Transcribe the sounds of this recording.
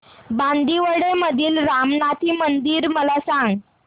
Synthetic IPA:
band̪iʋəɽeməd̪ʱiːlɾamnat̪ʰiːmənd̪iːɾməlasãŋɡ

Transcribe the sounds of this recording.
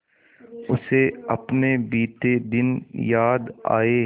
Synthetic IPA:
ʊseɐ̰pnebiːt̪ed̪ɪnjaːd̪a̰ːe

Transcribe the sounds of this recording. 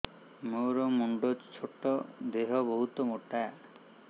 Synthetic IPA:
moɾɔmuɳɖɔd͡ʒt͡ʃʰoʈɔd̪eɦɔbɔɦut̪ɔmoʈa

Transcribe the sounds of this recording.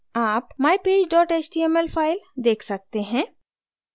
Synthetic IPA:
aːpmaːipeːd͡ʒɖɔːʈeːt͡ʃʈiːɛmɛlpʰaːɪld̪eːkʰsɐk̚t̪eɦɛ̃ː

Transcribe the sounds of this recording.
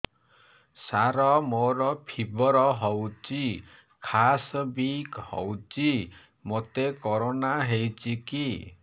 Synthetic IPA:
saɾɔmoɾɔpʰibɔɾɔɦɔwt͡ʃi | kʰasɔbikhɔ̰wt͡ʃi | mot̪ekɔɾonaɦewt͡ʃiki

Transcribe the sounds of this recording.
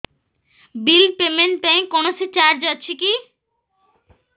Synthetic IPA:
bilpemenʈpɛ̃j̃konoset͡ɕaɾd͡ʑɔt͡ɕʰiki

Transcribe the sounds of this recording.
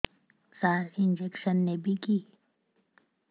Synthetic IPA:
saːɾɪnd͡ʒekʃənːebʱikiː

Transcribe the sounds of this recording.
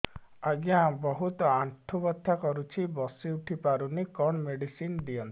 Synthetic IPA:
aɡjãbɔɦut̪ɔaɳʈʰubɔt̪ʰːakɔɾut͡ʃʰibɔsiuʈʰipaɾunikɔɳmeɖisind̪iɔnt̪

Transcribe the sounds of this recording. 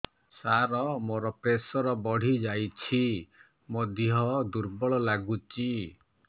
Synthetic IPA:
saɾɔmoɾɔpɾesɔɾɔbɔɽ̤id͡ʒajt͡ʃʰi | mod̪iɦɔd̪uɾbɔɭɔlaɡut͡ʃi

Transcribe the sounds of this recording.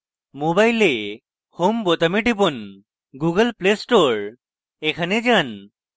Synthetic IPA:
mobajle | hombɔt̪ameʈip̬ɔn | ɡuɡəlplesʈoɹ | ekʰaned͡ʒan

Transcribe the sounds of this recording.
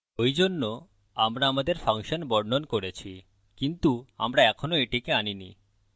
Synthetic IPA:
ojd͡ʑonːo | amɾaamad̪eɾfaŋʃonbɔɽnonkoɾet͡ɕʰi | kint̪ua̰mɾaɛkʰonoeʈikeaninḭ

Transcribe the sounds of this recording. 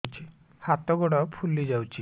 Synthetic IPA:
t͡ʃi | hat̪ɔɡɔɽɔpʰulid͡ʑawt͡ʃi

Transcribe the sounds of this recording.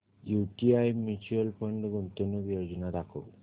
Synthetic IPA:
juʈiajmit͡ɕuəlpʰəɳɖɡunt̪onubijod͡ʑɔnad̪akʰo̰w

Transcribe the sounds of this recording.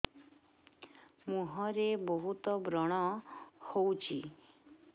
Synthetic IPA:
mũɦɔɾebɔɦut̪ɔbɾɔɽ̃ɔhowt͡ʃʰi

